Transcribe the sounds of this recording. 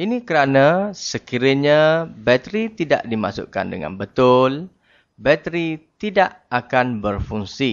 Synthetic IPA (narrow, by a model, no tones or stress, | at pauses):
inikəɾanãsəkiɾəɲãbɛt̪ɾit̪ida̰ʔdimasʊ̰ʔka̰ndəŋã̰nbət̪ʊl | bɛt̪ɾit̪idaʔakanbərfuŋsi